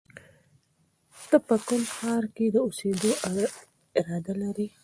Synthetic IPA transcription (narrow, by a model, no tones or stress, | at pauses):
t̪əpəkʊnxɑɾked̪əused̪oʔ | ɪɾɑd̪alaɾi